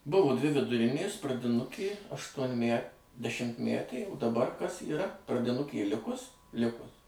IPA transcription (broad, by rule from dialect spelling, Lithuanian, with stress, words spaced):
ˈbʊʋoː ˈdʲʋʲɪ ʋʲɪdʊˈrʲɪnʲeːs prɐdʲɪˈnʊkʲeː ɐʃtuɔnʲˈmʲæ dʲɛʃʲɪmʲtʲˈmʲætʲeː ʊ dɐˈbɐr kɐs iːˈrɐ prɐdʲɪˈnʊkʲeː ˈlʲɪkʊs ˈlʲɪkʊs